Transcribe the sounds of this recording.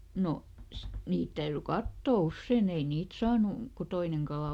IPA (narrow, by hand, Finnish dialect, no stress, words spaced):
no niːt tæyry kɑtːoˑ usːeˑn ei niːt sɑːnu ku toineŋ kɑlɑˑ